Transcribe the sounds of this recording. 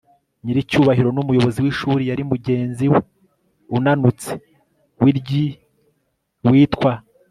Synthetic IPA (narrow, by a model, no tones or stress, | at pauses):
ɲiɾicuːβahiɾo̞numujo̞βo̞ziwiʃuːɾijaɾimuɟe̞ːnziwe | unanut͡se̥ | wiɾɟi | wiːtkwa